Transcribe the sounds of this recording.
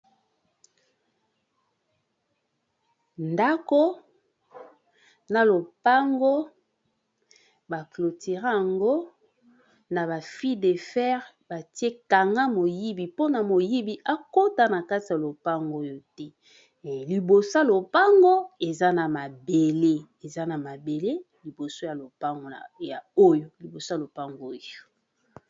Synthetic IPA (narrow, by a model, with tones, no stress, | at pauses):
nda˦ko˦ | na˨lo˨pa˦ŋɡo˦ | ba˨klo˨tʰe˨ʁa˦a˨ŋɡo˦ | na˨βa˨fi˦de˨fɛ˦ʁ | ba˨ti˦e˦ka˨ŋɡa˦mo˨ji˦bi˨po˦na˨mo˨ji˦bi˨ʔa˦ko˦ta˨na˨ka˦ti˨ja˨lo˨pa˦ŋɡo˦jo˦tɛ˦˨ | li˨bo˨sa˦lo˨pa˦ŋɡo˦e˨za˦na˨ma˨be˨le˦ | e˨za˦na˨ma˨be˨le˦ | li˨bo˨so˦ja˨lo˨pa˦ŋɡo˨ja˨o˦jo˨li˨bo˨so˦a˨lo˨pa˦ŋɡo˦o˦jo˨